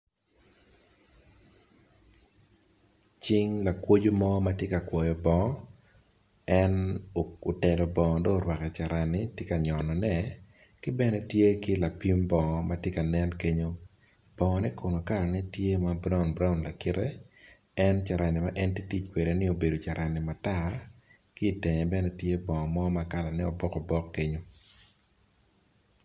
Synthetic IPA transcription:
t͡ʃi˦ŋla˨kwo˦d͡ʒo˦mɔ˦ma˦tje˦ka˨kwɔ˨jɔ˨bɔ˨ŋ˦ | ɛ˦no˨o˨tɛ˨lɔ˨bɔ˨ŋɔ˨dɔ˦˨ɾwa˨kɛ˨t͡ʃa˨ɾa˨nɪ˦tje˦ka˨ɲɔ˨nɔ˨nɛ˦ | kɪ˦bɛ˦nɛ˦tje˦kɪ˦la˨pi˦mbɔ˨matje˦ka˨nɛ˦nke˦ɲo˦ | b̥ɔ˨ŋɔ˨nɛ˦ko˨no˨ka˦ɾɔ˨nɛ˦tje˦ma˨˦bɾa˦ʊ˨nbɾa˦ʊ˨nla˨kɪ˦ɾɛ˦ | ɛ˦nt͡ʃa˨ɾa˨nɪ˨ma˦ʔɛ˦nti˦ti˦t͡ʃkwe˨ɾe˨nɪ˦o˨be˨do˨t͡ʃa˨ɾʔa˨nɪ˨ma˨ta˦ | kɪː˦˨te˨ɲɛ˨bɛ˦nɛ˦tje˦bɔ˨ŋɔ˨mɔ˦ma˨ka˦la˨nɛ˦o˨bɔ˦kɔ˨bɔ˦kːe˦ɲo˦

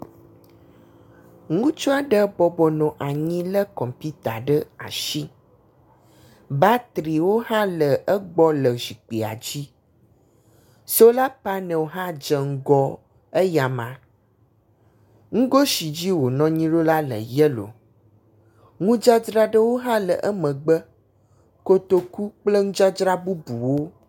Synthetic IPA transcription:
ŋũ˦t͡ʃɔ˦a˨ɖə˦bɔ˦bɔ˨nɔ̃˨ʔa˨ɲĩ˦lə˦kɔ˨mpi˦t̪a˨ɖə˦a̰˨ʃi˦ | ba˦t̪ɾi˨wo˦hã˦lə˨ʔə˦ɡ͡bɔ˦lə˨zi˨k͡pi˨a̰˨d͡ʑi˦ | so˦la˦pa˦nə̃˨wo˨ɦã˦d͡ʒə˨ŋ̩˦ɡɔ˦ | ə˦ja˨mã˨ | ŋũ˦ɡo˦ʃi˨d͡ʑi˦wo˨nɔ̃˦ɲĩ˦ɖo˦la˦lə̰˨jɛ˦lo̰˨ | ŋũ˦d͡ʒa˦d͡ʒɾa˦ɖə˦wo˦ɦã˦lə̰˨ʔə˦mə̃˨ɡ͡bə˦ | ko˦t̪o˦ku˦k͡plə˦ŋũ˦d͡ʒa˦d͡ʒɾa˦bu˦bu˨wo˦

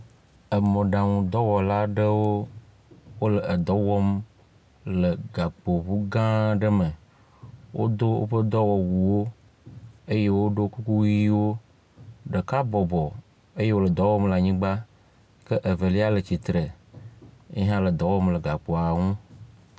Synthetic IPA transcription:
ə˨mɔ̃˨ɖã˨ŋũ˨d̪ɔ˦wɔ˨la˦ɖə˦wo˦ | wo˦lə˨ə˨d̪ɔ˨˦wɔ˦m | lə˨ɡa˨k͡po˨βu˦ɡã˦ɖə˦mə˨ | wʔo̰˦d̪o˦wo̰˦ɸə˦d̪ɔ˦wɔ˨wu˨wo˦ | ə˦je˦wo˦ɖo˦ku˦ku˦wi˦wo˦ | ɖə˨ka˦bɔ˨bɔ˨ | ə˦je˦wo˦lə˨d̪ɔ˨˦wɔ˦mla˨ɲĩ˦ɡ͡ba˦ | kə˦ʔə˨və˨li˦a˦lə˨t͡ɕi˨t̪ɾə˨ | e˦ɦã˦lə˨d̪ɔ˨˦wɔ˦mlə˨ɡa˨k͡po˨a˨ŋũ˦

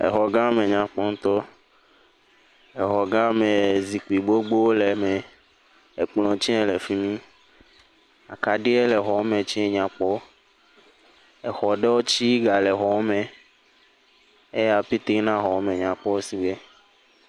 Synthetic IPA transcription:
ḛ˨ɦɔ˨ɡã˦mẽ˨ɲã˨k͡pɔ˦ŋ̩˦t̪ɔ˦ | e˨ɦɔ˨ɡã˦me˨zi˨k͡pi˨ɡ͡bo˦ɡ͡bo˦wo˦le˨mẽ˨ | e˨k͡plɔ̃˨t͡ʃĩ˦ɛ̃˦˨le˨fi˦mĩ˦ | a̰˨ka˨ɖi˦e˦lɛ˨ɦɔ˨o˦mẽ˨t͡ʃĩ˦˨ɲã˨k͡pɔ˦ | e˨xɔ˨ɖe˦wo˦t͡ʃi˦ɡa˨lɛ˨ɦɔ˨wmẽ˨ | e˦ja˨pi˦t̪i˦nã˦ɦɔ˨wmẽ˨ɲã˨k͡pɔ˦wo˦si˦ɡ͡be˦

